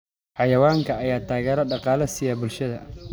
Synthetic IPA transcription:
ħɑjɐwaːŋkʰɐːjaːt̪ʰaːɣɛːɾɐɖɑqɑːlɐsɪjɐbʊlʃɐðɐ

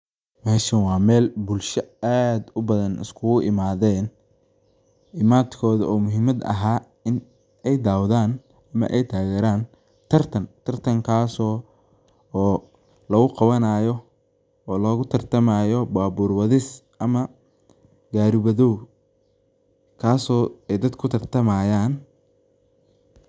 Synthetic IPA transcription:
mɛːʃɐnwɑːmɛːlbʊlʃɐaːd̪ʊbɐðɐnʔɪ̰skʰʊɣʊʔɪmaːðɛːn | ɪmaːt̪kʰɔːðɐɔːmʊɦɪmɐd̪ɐ̰ɦaː | ɪn | ɛjd̪aːwðaːn | ɐmɐ̰ʔɛjt̪ʰaːɣɛɾaːn | t̪ʰɐrt̪ʰɐnt̪ʰɐrt̪ʰɐŋkʰaːsɔː | lɐɣʊqɑwɐnaːjɔ | ɔːlɔːɣʊt̪ʰɐrt̪ʰɐmaːjɔbaːbuːrwɐðɪs | ɐmɐ | ɡaːɾɪβɐðɔw | kʰaːsɔːɛjd̪ɐd̪kʰʊt̪ʰɐrt̪ʰɐmaːjaːn

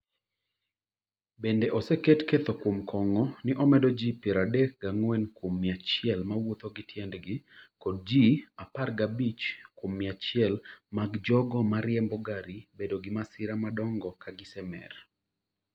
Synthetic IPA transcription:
bendeʔɔsɛketket̪okwomkʰɔŋɔnɪʔɔmɛdɔd͡ʒipjɛɾadɛk̚ɡaŋwɛnkwomːɪat͡ʃɪɛlmawot̪oɡɪtʰjɛndɡɪkɔd̚d͡ʒiaparɡabit͡ʃkwomːɪat͡ʃɪɛlmaɡd͡ʒɔɡɔmaɾjɛmbɔɡaɾibedoɡɪmasɪɾamadɔŋɡɔkaɡɪsɛmɛ̰r

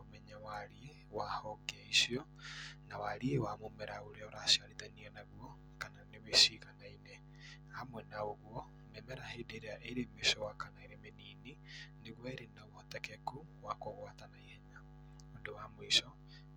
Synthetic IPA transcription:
omɛɲawaɾie | wahɔɡaisiɔ | nawaɾiewamomɛɾaoɾeɔɾasiaɾetaniɛnaɣwɔ | kananeβesiɣanaine | hamwɛnaoɣwɔ | mɛmɛɾahedeɾeaʔeɾemesɔwakanaeɾemeniːnineɣwɛɾenawɔtɛkɛkuwakoɣwatanaihɛɲa | ondowamoisɔ

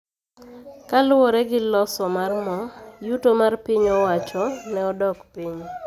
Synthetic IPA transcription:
kalwɔɾɛɡɪlɔsɔmarmɔjutomarpiɲɔwat͡ʃɔnɛɔdɔkpiɲ

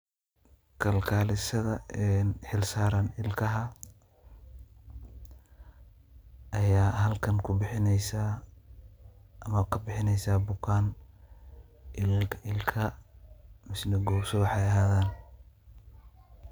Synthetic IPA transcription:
kʰɐlkʰaːlɪsɐðɐɛnħɪlsaːɾɐnɪlkʰɐɦɐ | ʔɐjaːhɐlkʰɐŋkʰʊbɪħɪnɛjsa | ʔɐmɐkʰɐbɪħɪnɛjsaːbʊkʰaːn | ʔɪlkʰɪlkʰɐ | mɪsnɪɡɔːsɔwɑħɑjɐɦaːðaːn

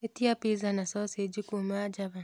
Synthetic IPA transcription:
etiapizanasosed͡ʒikumad͡ʒaβa

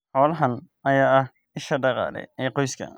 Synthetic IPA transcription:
ħɔːlɐɦɐn | ɐjaːɐh | ɪʃɐɖɑqɑ̰ːlɛ̰jɛjqɔjskʰɐ̰

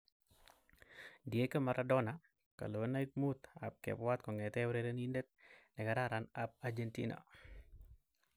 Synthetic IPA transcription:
dijekəmaɾʔadɔna | ka̰lowənaik̚mut̪a̰p̚kɛ̰pwat̪̚kɔŋɛtɛwɾeɾenindɛt̪̚nɛkaɾaɾanap̚aɾd͡ʒentḭna̰

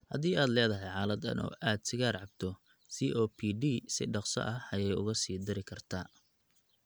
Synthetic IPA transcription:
hɐ̰ðiːaːd̪lɛːðɐɦɛjʕɑːlɐd̪ɐ̰nʔɔ̰ːʔaːd̪sɪɣaːrʕɑb̚t̪ʰɔ | siːʔɔːpʰiːɖiːsɪ̰ɖɑqsɔ̰ʔɐhɐjɛjʊ̰ɣɐsiːd̪ɪɾɪkʰɐrt̪ʰaː

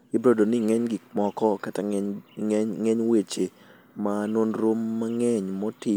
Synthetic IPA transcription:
ɪbɾodonɪŋɛɲɡɪkmɔkɔkata | ŋɛɲwet͡ʃe | manwonɾomːaŋɛɲmɔti

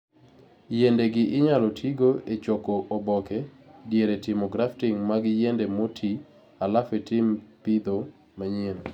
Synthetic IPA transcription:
jendeɡɪʔɪɲalɔtʰiɡoet͡ʃɔkɔʔobɔkɛdjeɾetɪmɔɡɾaftɪŋmaɡjendemotʰi | alafetɪmpɪd̪o | maɲen

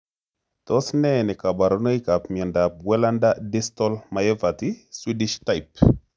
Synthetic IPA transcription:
tɔsnɛnɛkabaɾonojkapmandap̚wɛlandadistɔlmajɛvatiswidiʃtajp

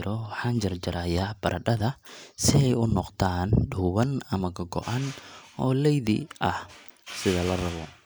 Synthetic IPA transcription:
ɾɔħaːnd͡ʒɐrd͡ʒɐɾaːjabɐɾʔɐɗɐðɐsɪɛjʊnɔqt̪ʰaːnɖuːwɐnɐmɐɡɐɡɔ̰ʔɐnʔɔːlɛjðɪ̰ʔɐh | sɪðɐlɐrɐβɔ

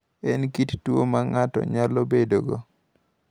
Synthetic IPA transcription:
ɛnkittwomaŋatɔ̰ɲalobedoɡo

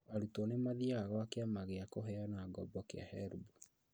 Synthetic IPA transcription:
aɾutɔnemaðiaɣɔakeamaɣeakoɦɛanaɡɔbɔkea̰hɛɾbu

